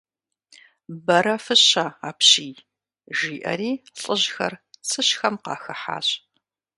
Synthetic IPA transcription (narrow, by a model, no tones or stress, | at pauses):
bɐɾɐfɨɕaaːpɕiːj | ʒiːʔɐ̰riːɬʼəʑxɐ̰rt͡sʰɨɕxɐmqɑ̰ːxɐħa̰ːɕʼ